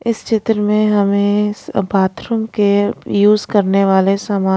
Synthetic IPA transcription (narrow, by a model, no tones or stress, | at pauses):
ɪst͡ʃɪt̪ɾəmẽɦɐmẽbʱaːt̪ɾə̃mkejuːzkɐɾneʋaːlesaːmaː